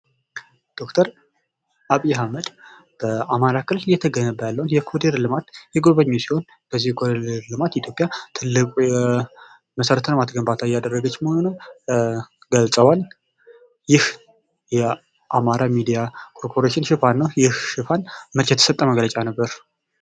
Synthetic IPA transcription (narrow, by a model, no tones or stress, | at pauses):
d̪̥o̞kt̪ʰəɾ | aβijɦaməd̪ | b̥əamaɾakɨllɨjɛt̪ʰəɡənəbəjalːəwunjɛkʰod̪eɾlɨmat̪jɛɡoβəɲːosiho̞n | b̥əzːihkʰodeeɾlɨmat̪it̪ʰjo̞pʼjat̪ʰɨlːɨkʼjɛ | məsəɾət̪ʰənmat̪ɡəmbat̪ʰajad̪ərːəɡət͡ʃːməhonunəw | ɡəlsʼəwal | jɪh | jɛ | ʔamaɾamid̪ijakʰo̞ɾpʰo̞ɾeʃɪnʃɨfanːəwjɪhʃɨfanmət͡ʃjɛt̪ʰəsət̪ʼːəməɡlət͡ʃʼanəbːəɾ